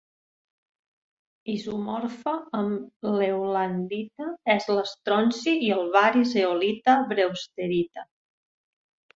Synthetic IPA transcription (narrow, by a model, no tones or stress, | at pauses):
izumɔɾfəəmlewland̪it̪əɛzləst̪ɾɔnsiiəlˠβaɾizeolit̪əβɾewst̪eɾit̪ə